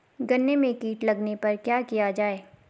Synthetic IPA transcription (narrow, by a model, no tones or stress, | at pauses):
ɡɐnːemẽkiːʈlɐɡnepɐɾkjaːkijad͡ʒaːeː